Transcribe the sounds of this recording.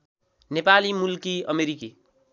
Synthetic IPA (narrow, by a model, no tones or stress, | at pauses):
nepalimulkiʌ̰meɾiki